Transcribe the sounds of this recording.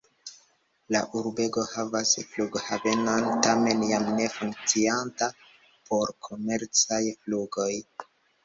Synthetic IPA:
la̰ʔuɾbe̞ɡo̞havasfluɡhave̞nontame̞njamne̞fuŋk̚t͡sianta | po̞ɾkʰo̞me̞ɾt͡sajfluɡo̞j

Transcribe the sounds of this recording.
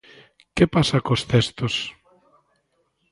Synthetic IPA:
kepasakost̪est̪os

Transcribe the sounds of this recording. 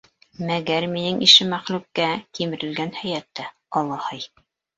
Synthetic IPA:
mæɡæɾminɘŋʔiʃɘmæχlʉp̚kækimɘ̆ɾɘ̆lɡænhæjæt̪ːæ | ɑlˠɑhɤj

